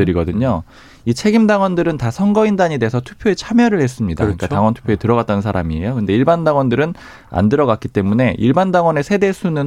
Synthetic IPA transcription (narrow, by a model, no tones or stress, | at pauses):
ɯɾiɡʌdɯɲo | it͡ɕʰe̞ɡimdaŋwʌndɯɾɯntasʰʌŋɡʌindaɲede̞esʰʌtʰupʰjoe̞t͡ɕʰamjʌɾɯɭhe̞s͈ɯmɲidakɯɲik͈ataŋwʌntʰu̥pʰjoetɯɾʌɡat͈anɯnsʰaɾamie̞̰jokɯnde̞iɭbandaŋwʌndɯɾɯn | a̰ndɯɾʌɡak͈it͈e̞mune̞ʔiɭbandaŋwʌne̞sʰe̞de̞sʰunɯn